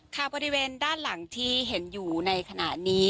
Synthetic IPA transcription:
kʰaː˨˩wbɔː˧ɾi˦weː˧ndaː˥˩nla˩˦ŋt̪ʰiː˥˩ɦe˩˦njuː˨˩na˧jkʰa˧na˨˩ʔniː˦˥

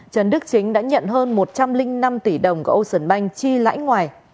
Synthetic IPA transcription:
t͡ɕə˨˩nɗɨ˦˥ək̚t͡ɕï˨˦ŋ̟ɗa̰ː˧˥ɲə̰˧˨nɦəː˧nmo˨˩t̚t͡ɕa˧mlï˧ŋ̟na˧mt̪i˧˩ɗə˨˩wŋ͡mkːʔwsə˧˩nɓa˧jŋ̟t͡ɕi˧la̰ː˧˥jŋwaː˨˩j

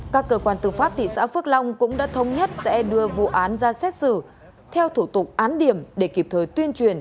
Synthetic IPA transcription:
kaː˦˥kːəː˧kwaː˧nt̪ɨ̰˧˩faː˦˥p̚t̪ʰḭ˧˨sa̰ː˧˥fɨ˦˥ək̚lɔ˧wŋ͡mkʊ̰˧˥ŋ͡mɗa̰ː˧˥t̪ʰə˨˧wŋ͡mɲə˦˥t̚sɛ̰˧˥ɗɨ˧əvṵ˧˨ʔaː˨˦nzaː˧sɛ˦˥t̚sɨ̰˧˨ | t̪ʰɛ˧wt̪ʰu˧˩t̪ʊ˨˩k͡p̚ʔaː˨˦nɗi˧˩əmɗe˧˩ki˨˩p̚t̪ʰəː˨˩jt̪wi˧ənt͡ɕwi˧˩ən

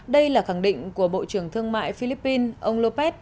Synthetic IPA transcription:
ɗə˧jlaː˨˩xa˧˩ŋɗḭ̈˧˨ŋ̟ku˧˩əɓo̰˧˨t͡ɕɨ˧˩əŋt̪ʰɨ˧əŋma̰ː˧˨jfi˧li˦˥pːi˧nʔə˧wŋ͡mlo˧pɛ˦˥t̚

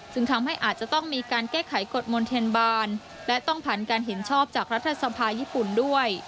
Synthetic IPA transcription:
t͡ɕɯ˧ŋt̪ʰa˧mɦa˥˩jʔaː˨˩t̪̚t͡ɕa˨˩t̪ɔ˥˩ŋmiː˧kaː˧nkɛː˥˩kʰa˩˦jko˨˩t̪̚mo˧nt̪ʰe˧nbaː˧n | lɛ˦˥t̪ɔ˥˩ŋpʰa˨˩nkaː˧nɦe˩˦nt͡ɕʰɔː˥˩p̚t͡ɕaː˨˩k̚ɾa˦˥t̪ʰːa˧sa˧pʰaː˧jiː˥˩pu˨˩ndu˥˩əj

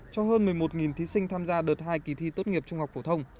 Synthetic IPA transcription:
t͡ɕɔ˧ɦəː˧nmɨ˨˩əjmo˨˩t̚ŋi˨˩nt̪ʰi˨˦sï˧ŋ̟t̪ʰaː˧mzaː˧ɗəː˨˩t̚haː˧jki˧˩t̪ʰi˧t̪o˦˥t̚ŋi˨˩əp̚t͡ɕʊ˧ŋ͡mha˨˩k͡p̚fo˧˩t̪ʰə˧wŋ͡m

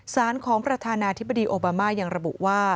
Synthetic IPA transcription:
saː˩˦nkʰɔː˩˦ŋpɾa˧t̪ʰaː˧naː˧t̪ʰi˦˥ba˧diː˧ʔoː˧baː˧maː˥˩ja˧ŋɾa˧bu˨˩ʔwaː˥˩

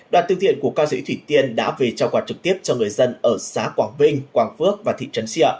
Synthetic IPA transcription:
ɗwaː˨˩nt̪ŋt̪ḭ˧˨ənku˧˩əkaː˧sḭ˧˥t̪ʰwi˧˩t̪i˧ənɗa̰ː˧˥ve˨˩t͡ɕaː˧˩kwaː˨˩t̚t͡ɕɨ˨˩k̚t̪i˦˥əp̚t͡ɕɔ˧ŋɨ˨˩əjzə˧nʔəː˧˩saː˨˦kwaː˧˩ŋvï˧ŋ̟kwaː˧˩ŋfɨ˦˥ək̚vaː˨˩t̪ʰḭ˧˨t͡ɕə˨˦nsi˧˥ə˧˩

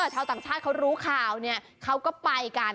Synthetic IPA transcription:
t͡ɕʰaː˧t̪aː˨˩ŋt͡ɕʰaː˥˩t̪̚kʰwɾuː˦˥kʰaː˨˩wni˥˩ɐ | kʰa˦˥wkɔː˥˩pa˧jkaː˧n

